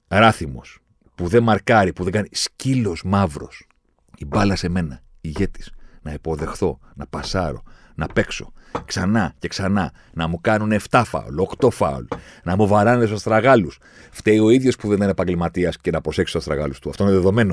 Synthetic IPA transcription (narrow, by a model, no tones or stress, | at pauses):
ɾɐθimo̞̰s | puðe̞mɐɾkɐɾipuðeɡɐniscilo̞smɐvɾo̞̰s | ibɐlɐse̞me̞nɐ | iʝe̞t̪i̥snɐipo̞ðe̞xθo̞nɐpɐsɐɾo̞̰ | nɐpe̞kso̞̥̰ksɐnɐce̞ksɐnɐ | nɐmukɐnune̞ft̪ɐfɐ̰o̰lokt̪o̞fɐ̰o̰lnɐmuvɐɾɐneesoɐst̪ɾɐɣɐlus | ft̪eio̞iðʝo̞spuðe̞nt̪inepɐɲɟelmɐt̪iɐsce̞nɐpɾo̞se̞ksost̪ɾɐɣɐ̰lust̪uɐft̪o̞ineðeðo̞me̞no̞